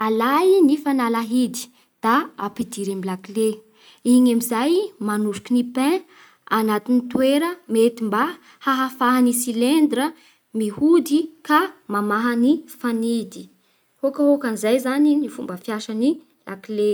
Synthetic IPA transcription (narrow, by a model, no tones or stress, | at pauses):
alajnifanalaɦid̪i̥ | d̪̥aapid̪iɾemilakle | iɲamizajmanuɾu̥kinipɛ̃ | anat̪init̪weɾəmet̪imba | haɦafaɦanisilend̪ɾə | mihud̪ikamamaɦənifanid̪i | hokəɦokanizajzaninifumbəfjaʃəni | lʔa̰kle